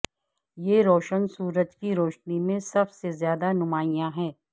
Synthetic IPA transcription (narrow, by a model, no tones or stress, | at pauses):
jeɾoːʃənsuːɾət̪kiɾoːʃnimẽsɐbsezjaːd̪anʊmaːijãɦɛː